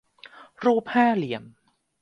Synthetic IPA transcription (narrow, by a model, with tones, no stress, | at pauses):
ɾuː˥˩p̚haː˥˩li˨˩əm